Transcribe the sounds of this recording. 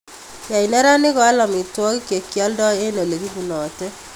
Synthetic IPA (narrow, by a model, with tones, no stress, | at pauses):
ja˨i˨nɛ˦ɾa˦nɪ˦kɔ˨a˦lɔ˨mi˨twɔ˦ki˦ke˨kja˦ldɔ˦e˦no˨le˨ki˦bu˨nɔ˨tɛ˦